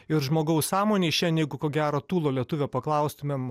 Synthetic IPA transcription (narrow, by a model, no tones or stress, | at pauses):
ɪɾʒmoːɡɐʊssɑːmoːnʲeɪʃʲɛnʲjɛɪɡʊkoːɡʲæːɾoːt̪uːlˠoːlʲiɛt̪ʊʋʲepɐklˠɐʊst̪ʊmʲɛm